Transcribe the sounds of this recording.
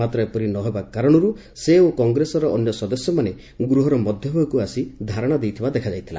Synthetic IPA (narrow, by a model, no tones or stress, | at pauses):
at̪ɾɔepɔɾinɔɦebakaɾɔɽ̃ɔɾu | seokɔŋɡɾesɔɾɔʔɔnjɔsɔd̪ɔsjɔmane | ɡɾuɦɔɾɔmɔd̪ʱjɔɦakuasid̪ʱaɾɔɽ̃ad̪ejt̪ʰibad̪ekʰad͡ʒajt̪ʰila̰